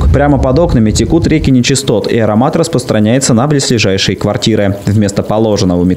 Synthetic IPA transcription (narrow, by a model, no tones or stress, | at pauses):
kpɾʲaməpɐd̪o̞knəmʲɪtʲɪkut̪ɾʲekʲɪnʲɪt͡ɕɪst̪o̞t̪ḭɐɾɐmat̪ɾəspɾəst̪ɾʔɐnʲæjɪt̪sənɐplʲɪsʲlʲɪʐajʂəjkvɐrtʲiɾɨvʲmʲe̞st̪əpɐlˠo̞ʐɨnːəvəmʲɪ